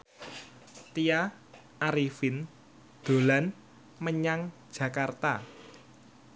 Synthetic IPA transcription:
t̪ia | ʔaɾifin | d̪̥o̤lan | məɲaŋ̥d͡ʒ̥ä̤kart̪a

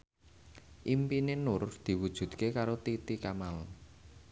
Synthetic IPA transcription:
ʔimpinenʊrd̪̥i̤wud̥ʒ̥ṳd̪̥̚kekaɾot̪it̪ikamal

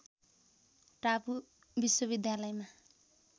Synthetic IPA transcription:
ʈapu | biswʌbid̪jalʌjma

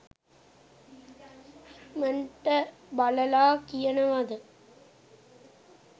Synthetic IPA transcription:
mɐnʈɐbɐlɐlaːkɪjɐnɐʋaðɯ

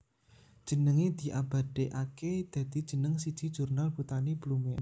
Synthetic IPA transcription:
d̥ʒ̥ə̤nəŋed̪̥i̤ʔab̥a̤d̥eʔaked̪̥ä̤d̪̥i̤d̥ʒ̥ə̤nəŋsid̥ʒ̥i̤̥ʒ̥urnalb̥ut̪aniblumen

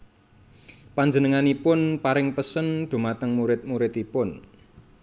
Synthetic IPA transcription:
paɲd͡ʒənəŋanipʊnpaɾɪŋpəsənɖ̪̥o̤mat̪əŋmuɾɪt̪̚muɾɪt̪ipʊn

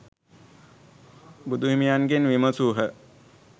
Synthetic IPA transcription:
bud̪uʋimijanɡenʋiməsuːɦə

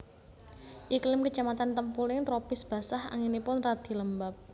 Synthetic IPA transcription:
ʔiklɪmkə̥d͡ʒamat̪ant̪əmpulɪŋt̪ɾopɪsb̥a̤saha̰ŋinipʊnrad̪̥i̤ləmbap̚

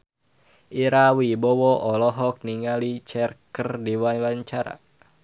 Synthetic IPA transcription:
ʔiɾawibɔwɔʔɔlɔɦɔk̚niŋalit͡ʃɛrkərdiwawaɲt͡ʃaɾa̰

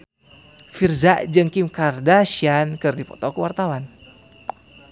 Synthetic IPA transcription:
firzaʔd͡ʒɨŋkimkardaʃiankɨrdifɔ̰t̪ɔkəwart̪awan

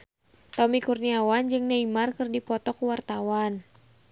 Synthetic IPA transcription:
t̪ɔmikurniawand͡ʒɨŋnaimarkɨrdipɔt̪ɔkuwart̪awan

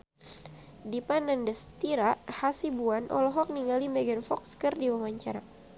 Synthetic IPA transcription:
dipanandəst̪iɾahasibuanʔɔ̰lɔɦɔk̚niŋɡalimɛɡɛnfɔkskərdiwamaɲt͡ʃaɾa

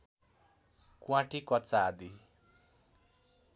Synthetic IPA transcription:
kwãʈikʌt͡saːd̪i

